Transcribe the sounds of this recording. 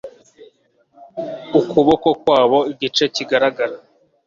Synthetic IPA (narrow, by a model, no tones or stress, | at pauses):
ukuβoko̞kwaːβo̞iɟit͡ʃe̞ciɡaɾaɡaɾa